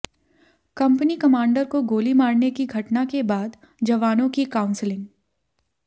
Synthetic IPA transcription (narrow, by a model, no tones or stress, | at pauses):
kɐ̃mpnikɐmãːɳɖəɾkoɡoːlimaːɾnekiɡʱɐʈnakebaːd̪ | d͡ʒɐʋaːnõkikaːʊ̃nslɪ̃ŋɡ